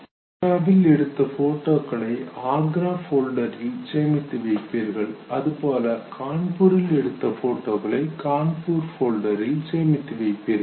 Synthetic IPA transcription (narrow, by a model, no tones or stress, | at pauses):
kɐbɪlɛɽɯt̪ːɐfoːʈːoːkɐɭɐɪaːɡɾaːfoːlɖɐɾɪlseːmɪt̪ːɯʋɐɪpːiːɾɣɐɭɐðɯpoːlɐkʰaːɳpuːɾɪlɛɽɯt̪ːɐfoːʈːoːɣɐɭɐɪkaːɳpuːɾfoːlɖɐɾɪlseːmɪt̪ːɯʋɐɪpːiːɾɣɐɐ